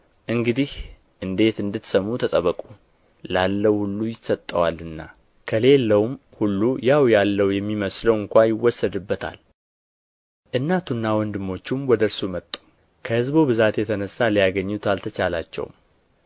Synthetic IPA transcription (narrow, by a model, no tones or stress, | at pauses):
ʔɨŋɡɨd̪ih | ʔɨnd̪e̞t̪ɨnd̪ɨt̪səmːut̪ʰət̪ʼəβəkʼu | lalːəwhulːujɪsət̪ʼːəwalɨnːa | kʰəle̞lːəwm | hulːujawjalːəwjɛmːiməsləwɨŋkʷajɪwːɔsːəd̪ɨbːət̪ʰa̰l | ʔɨnːat̪ʰunːawɔnd̪ɨmːo̞t͡ʃːumwɔd̪əɾsumət̪ʼːu̥ | kʰəhɨzbubɨzat̪jɛt̪ʰənəsːalijaɡəɲːut̪ʰalt̪ʰət͡ʃalat͡ʃːɛ̰w̰m